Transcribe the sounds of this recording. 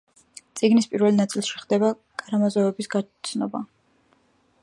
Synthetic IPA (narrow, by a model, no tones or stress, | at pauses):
t̪sʼiɡnispʼiɾvɛlnat̪sʼilˠʃiχd̪ɛba | kʼaɾamazɔɛbisɡat̪sʰnɔba̰